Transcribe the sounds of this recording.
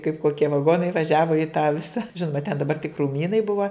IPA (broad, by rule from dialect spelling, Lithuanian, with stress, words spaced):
kɐɪp koːˈkʲiɛ ʋɐˈɡoːnɐɪ ʋɐˈʒʲæːʋoː ɪ tɑː ˈʋʲɪsɐ ˈʒʲɪnoːmɐ tʲɛn dɐˈbɐr tʲɪk kruːˈmʲiːnɐɪ ˈbʊʋɐ